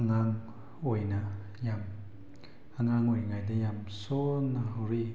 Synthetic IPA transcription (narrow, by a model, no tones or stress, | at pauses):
ŋaŋ | ojna | jam | aŋaŋojŋajd̪ejamsɔnahɔɾi